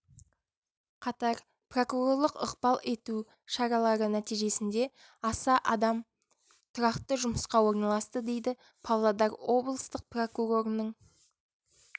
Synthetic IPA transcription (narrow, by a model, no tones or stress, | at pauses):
qʰɑt̪ɑɾ | pro̞kuɾo̞rlˠəqəqbɑlˠe̞t̪u | ʃɑɾɑlˠɑɾənæt̪ijʒe̞sɪnd̪e̞ | ɑsɑʔɑd̪ɑm | t̪ʰʊɾɑqt̪əʒʊməsqɑwo̞ɾnɑlˠɑst̪əd̪e̞jd̪ɪ | pʰɑwlˠɑd̪ɑɾwo̞blˠəst̪əq̚pro̞kuɾo̞ɾnəɴ